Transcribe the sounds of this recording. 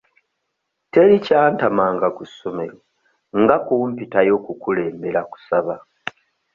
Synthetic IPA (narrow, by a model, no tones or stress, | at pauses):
te̞ɾicaːntamaːŋɡakusome̞ɾo | ŋɡakuːmpitajo̞kukule̞ːmbe̞ɾaku̥saβa